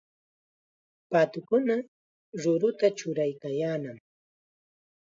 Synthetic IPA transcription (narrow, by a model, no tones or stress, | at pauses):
pat̪ʊkʊna | ɾʊɾʊt̪at͡ʃʊɾajkajaːnam